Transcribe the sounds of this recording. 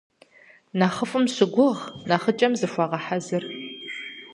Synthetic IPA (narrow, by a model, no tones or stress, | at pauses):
naːχəfɨmɕɪɡʷʊʁnaːχət͡ʃʼɐmzɨfʷɐʁɐħazɨr